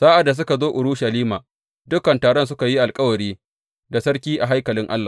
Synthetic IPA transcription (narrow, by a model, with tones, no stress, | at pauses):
saː˦ʔa˨dːa˨s̬ʊ˦ka˨zoː˦ʔʊ˨ɽʊ˦ʃɐ˨liː˦maː˨ | dʊ˦kɐ˨ntaː˨ɽɔ˦ns̬ʊ˦ka˨ji˦ʔa˨lkʼɐ˦wɐ˨ɽiː˦ | da˨sɐ˦ɽkʲiː˦ʔa˨ɦa˦jkɐ˨lɪ˦ŋʔa̰˦lːa˨